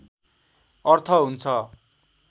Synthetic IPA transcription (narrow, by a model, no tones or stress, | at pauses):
ʌrt̪ʰʌɦunt͡sʰʌ